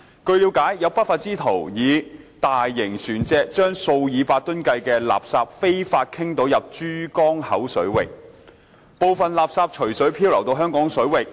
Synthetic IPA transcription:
kɵ˧ɥliː˨˥wkaː˨˥jjɐ˨˧wpa˥tfaː˧t̚t͡siː˥t̪ʰo˨˩wjiː˨˧t̪aː˨jːɪ˨˩ŋsyː˨˩nt͡sɛː˧k̚t͡ʃœː˥ŋso˧wjiː˨˧paː˧t̚t̪ɵ˥nkɐ˧jkɛː˧la̰ː˨p̚saː˧p̚fe˥jfaː˧t̚kʰɪ˥ŋt̪o˨˧˥wjɐ˨p̚t͡ʃyː˥kɔː˥ŋhɐ˨˥wsɵ˨˥ɥwɪ˨k̚ | po˨˧wfɐ˨nlaː˨p̚saː˧p̚t͡ʃʰɵ˨˩ɥsɵ˨˥ɥpʰiː˥wlɐ˨˩wt̪o˧wɦœː˥ŋkɔː˨˥ŋsɵ˨˥ɥwɪ˨k̚

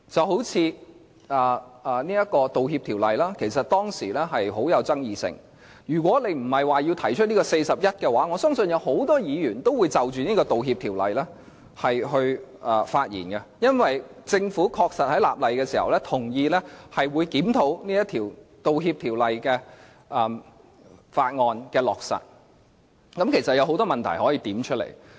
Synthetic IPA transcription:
t͡sɐ˨wɦo˨˥wt͡sʰiː˨˧ | ɐː˨˩ɐː˨niː˥jɐ˥t̚kɔː˧t̪o˨whiː˧p̚t̪ʰiː˨˩wlɐ˨jlaː˥kʰe˨˩jsɐ˨t̚t̪ɔː˥ŋsiː˨˩lɛ˥ɦɐ˨jɦo˨˥wjɐ˨˧wt͡sɐ˥ŋjiː˨˧sɪ̰˨˩ŋ | jyː˨˩kwɔː˨˥le˨˧jm̩˨˩hɐ˨jwaː˨jiː˧wt̪ʰɐ˨˩jt͡ʃʰɵ˥t̚niː˥kɔː˧se˧jsɐ˨p̚jɐ˥t̚kɛ˧waː˨˥ŋɔː˨˧sœː˥ŋsɵ˧njɐ˨˧wɦo˨˥wt̪ɔː˥jiː˨˧jyː˨˩nt̪o˥wu˨˧jt͡sɐ˨wt͡ʃyː˨niː˥kɔː˧t̪o˨wɦiː˧p̚t̪ʰiː˨˩wlɐ̰˨jlɛː˥ | hɐ˨jɦɵ˧ɥʔɛ˨˩faː˧t̚jḭː˨˩nkɛ˧jɐ˥nwɐ˨jt͡sɪ˧ŋfuː˨˥kʰɔː˧k̚sɐ˨t̚hɐ˨˥jla̰ː˨p̚lɐ˨jkɛː˧siː˨˩hɐ̰˨˩wlɛ˥t̪ʰʊ˨˩ŋjiː˧lɛ˥hɐ˨jwuː˨˧jkiː˨˥mt̪ʰo˨˥wniː˥jɐ˥t̪ʰiː˨˩wt̪o˨wɦiː˧p̚t̪ʰiː˨˩wlɐ˨jkɛː˧ | ʔɐː˨ | faː˧t̚ŋɔː˧nkɛː˧lɔ̰ː˨k̚sɐ̰˨t̚ | kɐ˨˥mkʰe˨˩jsɐ˨t̚jɐ˨˧wɦo˨˥wt̪ɔː˥mɐ˨nt̪ʰɐ̰˨˩jhɔː˨˥jiː˧t̪iː˨˥mt͡ʃʰɵ˥t̚lḛ˨˩j

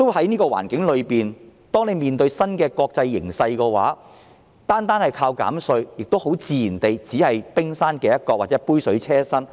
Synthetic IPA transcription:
t̪o˥whɐ˨˥jniː˥kɔː˧wa̰ː˨˩nkɪ˨˥ŋlɵ˨˧ɥpiː˨nt̪ɔː˥ŋne˨˧jmiː˨˩nt̪ɵ˧ɥsɐ˥nkɛː˧kɔː˧k̚t͡sɐ˧jːɪ̰˨˩ŋsɐ˧jkɛː˧wa̰ː˨˥ | t̪aː˥nt̪aː˥nhɐ˨jkʰaː˧wka̰ː˨˥msɵ˧ɥjɪ˨k̚t̪o˥who˨˥wt͡siː˨˧jiː˨˩nt̪e˨jt͡siː˨˥hɐ˨jpɪ˥ŋsaː˥nkɛː˧jɐ˥t̚kɔː˧waː˨˩ɛ˨˥puː˥jsɵ˨˥ɥt͡sʰɛː˥sɐ˥n

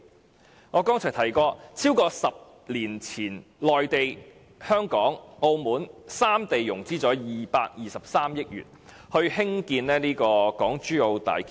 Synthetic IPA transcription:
ŋɔː˨˧kɔː˥ŋt͡sʰœ˨˩t̪ʰɐ˨˩jkɔː˧t͡sʰiː˥wkɔː˧sɐ˨p̚ | liː˨˩nt͡sʰiː˨˩nlɔː˨jt̪e˨j | hœː˥ŋkɔː˨˥ŋo˧wmuː˨˥nsaː˥mt̪e˨jːʊ˨˩ŋt͡siː˥t͡sɔː˨˥jiː˨paː˧k̚jiː˨˧sɐ˨p̚saː˥mjɪ˥k̚jy̰ː˨˩t̚ | hɵ˧ɥhɪ˥ŋkiː˧nlɛː˥niː˥kɔː˧kɔː˨˥ŋt͡ʃyː˥o˧wt̪a̰ː˨jk

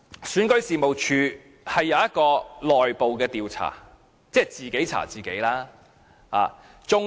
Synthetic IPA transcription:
syː˨˥nkɵ˧˥ɥsiː˨mo˨wt͡ʃʰyː˨˧ | hɐ˨jːɐ˨˧wjɐ˥t̚kɔː˧lɔː˨jpo˨wkɛː˧t̪iː˨wt͡sʰa̰ː˨˩ | t͡sɛː˥˩t͡siː˨˩ke˨˥jt͡sʰa̰ː˨˩t͡siː˨ke˨˥jlaː˥ | ha̰ː˨˩ | t͡sʊ˧ŋ

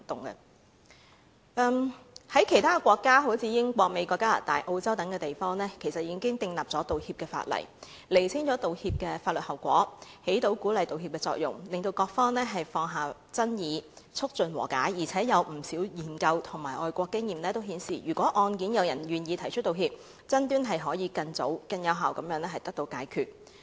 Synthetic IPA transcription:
t̪ʊ˨ŋɐ̰˧ | ʔɛː˧mhɐ˨˥jkʰe˨˩jt̪ʰaː˥˧kʷwɔː˧kːaː˥ɦo˨˧˥wt͡sʰiː˨˧jɪ˥ŋkʷɔː˧k̚me˨˧jkʷɔː˧kːaː˥la̰ː˨˩t̪a̰ː˨jʔo˧wt͡sɐ˥wt̪ɐ˨˥ŋkɛː˧t̪e˨˩jfɔː˥ŋɛː˥kʰe˨˩jsɐ˨t̚jiː˨˧˥ŋkɪ˥ŋt̪ɪ˧ŋlɐ˨˩p̚t͡sɔː˨˥t̪o˨whiː˧p̚kɛː˧fa̰ː˧t̚lɐ̰˨˩j | le˨˩jsʰɪ˥ŋt͡sɔː˨˥t̪o˨whiː˧p̚kɛː˧faː˧t̚lɵ˨t̚hɐ˨˩wkʷɔː˨˥he˨˥jt̪o˨˥wkuː˨˥lɐ˨jt̪o˨whi˧p̚kɛː˧t͡sɔ̰ː˧˥k̚jʊ̰˨˩ŋlɪ˨ŋt̪o˧wkɔː˧k̚fɔː˥ŋnɛː˥ɦɐ˨jfɔː˧ŋɦaː˨˩ | t͡sɐ˥njiː˨˧ | t͡sʰʊ˥k̚t͡sɵ˨nwɔː˨˩ka̰ː˨˥jːiː˨˩t͡sʰɛː˨˥jɐ˨˧wm̩˨˩siː˨˥wjiː˨˩nkɐ˧wt̪ʰʊ˨˩ŋmaː˨˩jʔɔː˨˧jkʷɔː˧kːɪ˥ŋjiː˨mnlɛː˥t̪o˥wɦiː˨˥nsḭː˨˩jyː˨˩kʷɔː˨˥ʔɔː˧nkiː˨˥njɐ˨˧wjɐ˨˩njyː˨njiː˧t̪ʰɐ˨˩jt͡ʃʰɵ˥t̚t̪ːo˨whiː˧p̚ | t͡sɐ˥nt̪yː˥nɦɐ˨jɦɔː˨˥jiː˨˧kɐ˧nt͡so̰˨˥wkɐ˧njɐ˨˧wɦaː˨wkɐ˨˦mjœː˨˧˥ŋnɛ˥ɦɐ˨jt̪ɐ˥k̚t̪o˧wkaː˨˥jkʰyː˨t̚

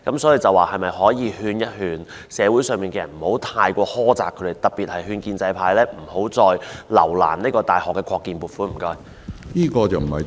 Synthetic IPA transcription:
kɐ˨˥msɔː˨˥ji˧t͡sɐ˨waː˨hɐ˨jmɐ˨jɦɔː˨˥jiː˨˧hyː˧njɐ˥t̚hyː˨˧n | sɛː˨˧wu˨˥jsœː˨ŋmiː˨nkɛː˧jɐ˨˩nm̩˨˩ho˨˥wt̪ʰaː˧jkʷɔː˧hɔː˥t͡sa̰ː˨˩kʰːɥd̪e˨˩jt̪ɐ˨t̚piː˨t̚hɐ˨jɦyː˧nkiː˧nt͡sɐ˧jpʰaː˧jlɛː˥m̩˨˩ho˨˥wt͡sɔː˧jlɐ̰˨˩wla̰ː˨˩nni˥kɔː˧t̪aː˨˩jhɔː˨kːɛ˧kʰɔː˧kːiː˨npuː˨˩t̚fuː˨˥m̩˨˩kɔː˧˥j | niː˥kɔː˧t͡sɐ˨wm̩˨˩hɐ̰˨

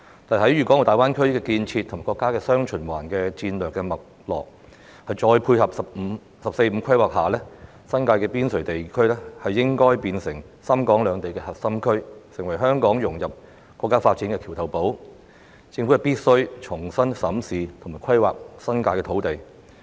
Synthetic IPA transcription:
t̪aː˨hɐ˨˥jɥyː˨kɔː˨˥ŋ˨˩t̪aː˨jwaː˥nkʰɵ˥ɥkɛː˧kiː˧nt͡sʰi˧t̪ʰmaː˨˩kɔː˧kːaː˥kɛː˧sœː˥ŋt͡ʃʰɵ˨˩nwaː˨˩nkɛː˧t͡siː˧nlœː˨kːɛ˧mɐ˨k̚lɔ̰ː˨˩k̚ | hɐ˨jt͡ʃɔː˧jpʰuː˧jhɐ˨p̚sɐ˨p̩̚˨˧ | sɐ˨p̚se˧jm̩˧kʰɐ˥jwaː˨˩k̚haː˨˩lɛː˥ | sɐ˥nkaː˧jkɛː˧piː˥nsɵ˨˩ɥt̪e˨jkʰɵ˥ɥlɛ˥hɐ˨jːɪ˥ŋkɔː˥jpiː˧nsɪ˨˩ŋ | sɐ˥mkɔː˨˥ŋlœː˨˧ŋt̪e˨jkɛː˧hɐ˨t̚sɐ˥mkʰɵ˥ɥsɪ˨˩ŋwɐ˨˩jɦœː˥ŋkɔː˨˥ŋjʊ˨˩ŋjɐ˨p̚ | kwɔː˧kːaː˥faː˧t̚t͡ɕi˨˥nkɛː˧kʰi˨˩wt̪ʰɐ˨˩wpo˨˥w | t͡sɪ˧ŋfu˨˥hɐ˨˩piː˥t̚sɵ˥ɥt͡ʃʰʊ˨˩ŋsɐ˥nsɐ˨˥msiː˨t̪ʰʊ˨˩ŋmaː˨jkʰɐ˥jwa̰ː˨k̚sɐ˥nkaː˧jkɛː˧t̪ʰo˨˥wt̪e˨j

